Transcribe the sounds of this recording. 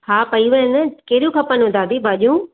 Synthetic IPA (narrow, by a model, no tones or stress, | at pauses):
haːpɐiʋɐnəkeɾijũkʰɐpənʊ̃d̪aːd̪ibaːʄũː